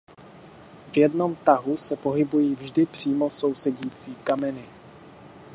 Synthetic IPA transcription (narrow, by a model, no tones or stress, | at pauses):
vjɛdno̞mt̪aɦusɛpo̞ɦɪbujiːvʒdɪpr̝̥iːmo̞so̞wsɛɟiːt͡siːkamɛnɪ